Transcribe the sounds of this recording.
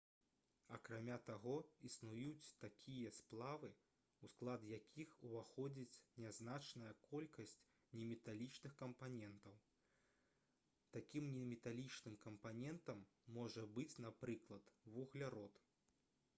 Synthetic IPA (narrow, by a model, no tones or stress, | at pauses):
ɐkɾamʲat̪aɣɔisnujut͡sʲt̪akʲʰijɐsplˠavɨ | usklˠad̪jakʲʰixuvaxɔd͡zʲit͡sʲnʲɛznat͡ʂnɐjɐkʰɔlʲkɐsʲt͡sʲ | nʲɛmʲɛt̪alʲit͡ʂnɨxkɐmpanʲɛnt̪ɐw | t̪akʲimnʲɛmʲɛt̪alʲit͡ʂnɨmkɐmpanʲɛnt̪ɐmːɔʐɐbɨt͡sʲnapɾɨklˠɐt̪vuɣlʲaɾɔt̪